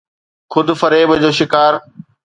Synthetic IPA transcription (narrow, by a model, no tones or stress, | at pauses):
xʊd̪ʱfɐɾeːbd͡ʑoːʃɪkaːɾ